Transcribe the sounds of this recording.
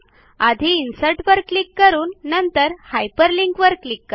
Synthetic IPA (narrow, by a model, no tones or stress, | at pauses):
ad̪ʱiːnsəɾʈʋəɾklikːəɾuːnːənt̪əɾhajpəɾliŋkʋəɾklikːəɾ